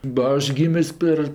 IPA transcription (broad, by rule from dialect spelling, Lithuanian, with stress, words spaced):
bɐ ˈɐʃ ˈɡʲiːmʲɪs ˈpʲɛr